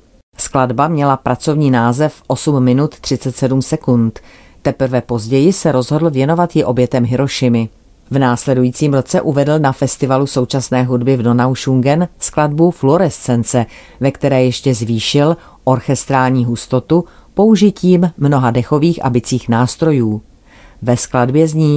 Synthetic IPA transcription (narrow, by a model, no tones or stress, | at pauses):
skladbamɲɛlapɾʔat͡so̞vɲiːnaːzɛfʔo̞sumːɪnut̪t̪ːr̥ɪt͡sɛt̪sɛdumsɛkunt̪ | t̪ɛpr̩vɛpo̞zɟɛjɪsɛɾo̞zɦo̞dl̩vjɛno̞vat̪jɪʔo̞bjɛt̪ɛmɦɪɾo̞ʃɪmɪ | vnaːslɛdujiːt͡siːmɾo̞t͡sɛʔuvɛdl̩nafɛst̪ɪvaluso̞wt͡ʃasnɛːɦudbɪvno̞nawʃuŋɡɛnskladbuflo̞ɾɛst̪t͡sɛnt͡sɛ | vɛkt̪ɛɾɛːjɛʃcɛzviːʃɪl | ʔo̞ɾxɛst̪ɾaːlɲiːɦust̪o̞t̪u | po̞uʒɪciːmːno̞ɦadɛxo̞viːxʔa̰bɪt͡siːxnaːst̪ɾo̞juː | vɛskladbjɛzɲiː